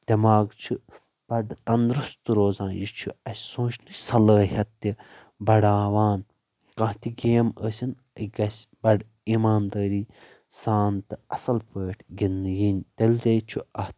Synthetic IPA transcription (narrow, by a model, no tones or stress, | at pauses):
d̪ʲɐmaːɡt͡ʃʰu | b̥ɐɖt̪ɐnd̪ɾust̪ɨɾoːzãːnjit͡ʃʰuɐsʲsõːt͡ʃʰnɨsɐləːɦɐt̪ːi | bɐɽaːʋaːn | kɐ̃ɦt̪iɡeːməːsʲin | iɡɐsʲbɐɖ | iːmaːnd̪ɐːɾiː | saːnt̪ɨɐsɐlpəːʈʰɡinːɨjinʲt̪ɐlʲd̪ʲɐjt͡ʃʰuɐht̪